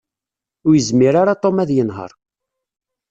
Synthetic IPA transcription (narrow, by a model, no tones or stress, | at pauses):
ʊɾjəzmiɾaɾat̪ˤːomæðjənɦə̰ɾˤ